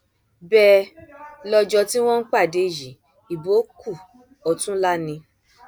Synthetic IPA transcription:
bɛ˧˦ | lɔ˧d͡ʒɔ˧ti˦w̃ɔ̃˦n̩˦k͡pa˦˨de˨ji˨˦ | i˨bo˨˦ku˦˨ | ɔ˨˧tũ˦la˦nĩ˧

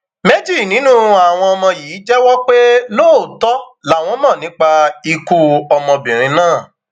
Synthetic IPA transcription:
me˦d͡ʒi˦˨nĩ˨˦nũ˦a˨w̃ɔ̃˧ɔ˧mɔ̃˧jiː˨˦d͡ʒɛ˦wɔ˦k͡pe˦loː˦˨tɔ˦la˨˦˨w̃ɔ̃˧mã˦˨nĩ˨˦k͡pa˧i˧ku˧ɔ˧mɔ̃˧bĩ˨ɾ̃ĩ˧nãː˦˨

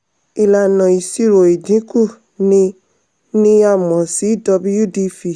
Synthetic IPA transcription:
i˧la˧˨nɔ̃˨i˨si˦˨ɾo˨i˨dĩ˨˦ku˦˨ | nĩ˧ | nĩ˦a˦˨mɔ̃˨si˨˦˨dɔ˧bu˦ju˦˨di˧fi˨

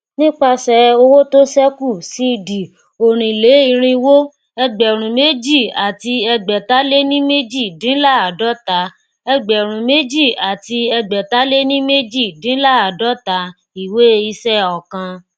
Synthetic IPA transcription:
nĩ˦k͡pa˧sɛ˨˧o˧wo˦to˦sɛ˦ku˦˨si˨˦˧di˨ | o˨ɾ̃ĩ˨le˨˦i˧ɾ̃ĩ˧wo˦ | ɛ˧ɡ͡bɛ˨ɾ̃ũ˨me˦d͡ʒi˦˨a˨ti˧ɛ˧ɡ͡bɛ˨ta˨˦le˦nĩ˦me˦d͡ʒi˦˨dĩ˨˦la˦˨a˨dɔ˨˦ta˨˦ | ɛ˧ɡ͡bɛ˨ɾ̃ũ˨me˦d͡ʒi˦˨a˨ti˧ɛ˧ɡ͡bɛ˨ta˦le˦nĩ˦me˦d͡ʒi˦˨dĩ˨˦la˦˨a˨dɔ˨˦ta˨˦ | i˨we˦i˧sɛ˦ɔ˨kã˧

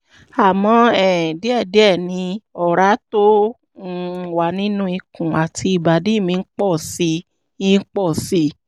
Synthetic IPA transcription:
a˨mɔ̃˧ɛ˨de˨˦ɛ˦˨de˨˦ɛ˦˨nĩ˧ɔ˨ɾa˨˦to˦˧ | wa˨nĩ˦nũ˦i˧kũ˨a˨ti˧i˨ba˨di˨˦˨mĩ˧n̩˦k͡pɔ˦˨si˧˦ | i˦k͡pɔ˦˨si˦

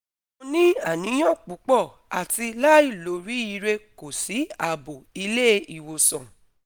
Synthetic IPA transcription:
o˧nĩ˦a˦˨nĩ˨˦j̃ɔ̃˦˨k͡pu˨˦k͡pɔ˦˨ | a˨ti˧la˦i˦˨lo˨˦ɾi˨˦i˦˧ɾe˧ko˨si˨˦a˦˨bo˨i˧le˦˧i˨wo˨sɔ̃˨

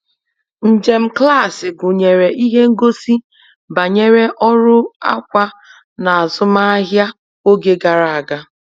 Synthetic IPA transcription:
n̩˨d͡ʒe˨m̩˦kla˦˨sɪ˨ɡʊ˨ɲe˨ɾe˨ʔi˦ɦe˦ŋ̩˦ɡo˦si˦ | ba˨ɲe˦ɾe˦ʔɔ˦ɾʊ˦a̰˦kʷa˦ | na˨a˨zʊ˦ma˦a˦ɦja˦ | o˦ɡe˦ɡa˨ɾa˨a˨ɡa˦

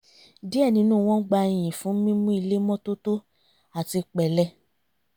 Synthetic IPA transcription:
di˨˦ɛ˦˨nĩ˧˦nũː˦˨w̃ɔ̃˦ɡ͡ba˧i˨j̃ĩ˨fũ˨˦mĩ˦mũ˦i˧le˦mɔ̃˦to˦to˦ | a˨ti˧k͡pɛ˨lɛ˧˦

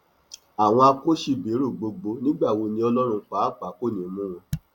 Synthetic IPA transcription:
a˨w̃ɔ̃˧a˧ko˦ʃi˦˨be˨˦ɾo˦˨ɡ͡bo˧ɡ͡bo˧nĩ˦ɡ͡ba˦˨wo˨˧nĩ˧˦ɔ˧lɔ̃˦ɾũ˧˦k͡pa˨˦˨k͡pa˨˦ko˦˨nĩ˨˦mũ˦w̃ɔ̃˧

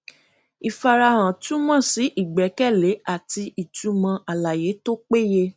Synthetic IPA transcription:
i˨fa˧ɾa˧hã˨tũ˦mã˦˨si˨˦ʔi˦˨ɡ͡bɛ˨˦kɛ˦˨le˨˦a˦˨ti˧i˨tu˨˦mã˧ʔa˨la˨je˨˦to˦k͡pe˦je˧

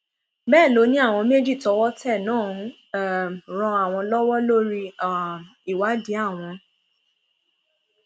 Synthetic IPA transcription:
bɛː˦˨lo˨˧˦nĩ˦a˦˨w̃ɔ̃˧me˦d͡ʒi˦˨tɔ˨˧wɔ˦tɛ˦˨nãː˦˨ũ˦˨ | ɾ̃ɔ̃˧a˦˨w̃ɔ̃˧lɔ˦wɔ˦lo˦ɾi˦˨ | i˨wa˨˦di˨˦a˦˨w̃ɔ̃˧

